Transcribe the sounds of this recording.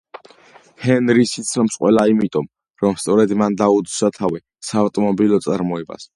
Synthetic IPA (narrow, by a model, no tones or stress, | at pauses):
hɛnɾisit̪sʰlmsqʼwɛlaimit̪ʼɔm | ɾɔmst̪sʼɔɾɛd̪mand̪aud̪sat̪ʰavi | saːvt̪ʼɔmɔbilɔt̪sʼaɾmɔɛba̰s